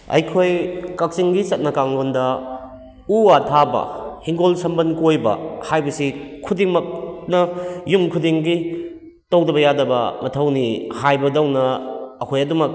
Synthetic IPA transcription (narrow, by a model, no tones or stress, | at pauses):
ɐ̰jkʰojkɐk̚siŋɡisɐt̚nɐkaŋlondɐ | uatʰabɐ̰hiŋɡolsɐmbɐnkojbɐ̰hajbɐsikʰudiŋmɐk̚nɐjumkʰudiŋɡi | towdɐbɐjadɐbɐ̰mɐtʰɐwnihajbɐdɐwnɐːkʰojɐdumɐk̚